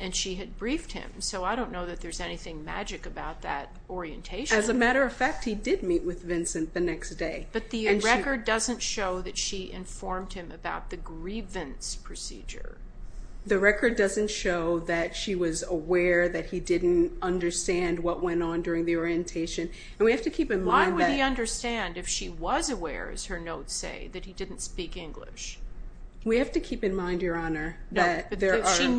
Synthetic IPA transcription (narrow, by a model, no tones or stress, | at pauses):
ɨ̃nʃiɨd̚bɹift̚hɪ̰̃msoʊaɪɾõʊ̃nːoʊðɨt̪̚ðə˞zɛniθɪ̃ŋmæ̰d͡ʒɨkɨbaʊt̪̚ðɨ̰ɾ | ɔɹiɨ̰̃ntʰeɪʃɨzɨmæɾə˞ʌv̥fæk̚t̚hidɪd̚miʔ̚wɨðvɪ̃nsɨ̃nðɨnɛksd̥eɪb̥ʌt̪̚ðɨɹkə˞ddʌzɨ̃ntʃoʊðɨtʃiʔɪ̰̃ɱfɔɹmd̚ɨ̃mɨbaʊt̪̚ðɨɡɹivɨ̃nspʰɹ̥ɨsḭd͡ʒə̰˞ | ðɨɹɛkə˞dʌzɨ̃ntʃoʊðɨtʃiwʌzəwɛɹðɨt̚hidɪdⁿn̩tʌ̃ndə˞stæ̃nd̚wʌʔ̚wɛ̃ñn̩dʊɹɪ̃ŋðiɔɹiɨ̃ntʰeɪʃɨ̃n | ɨ̃nwihæftɨkʰipɨ̃nmãɪ̃nwɨɨiʌ̃ndə˞stæ̃ndɨfʃiwʌzɨwɛ̰ɹɨ̰z̥ə˞noʊtsḛɪðɨt̚hidɪdⁿn̩tspikɪ̃ŋɡlɪ̰ʃ | wihæftɨkʰipɨ̃nmãɪ̃ndjə˞ɑnə˞ðɨt̪̚ðə˞i